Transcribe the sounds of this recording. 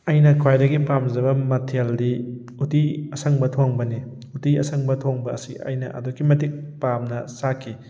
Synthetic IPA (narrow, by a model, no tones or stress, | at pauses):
ɐjnɐkʰwajdɐɡipamzɐbɐmɐtʰeldi | utiɐsɐŋbɐtʰoŋbɐni | utiɐsɐŋbɐtʰoŋbɐɐsiɐ̰jnɐʔɐ̰dokːimɐtik̚pamnɐsakʰi